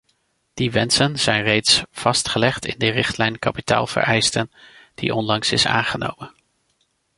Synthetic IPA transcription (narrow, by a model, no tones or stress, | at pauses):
d̥iʋɛnsənz̥ɛjnrejtsv̥ɑstχəlɛχtɪ̰ndərɪχtlɛjnkɑpita̰ːlˠv̥ə̰rʔɛjstənd̥ḭʔɔnlɑŋsɪsa̰ːnχəno̰wmən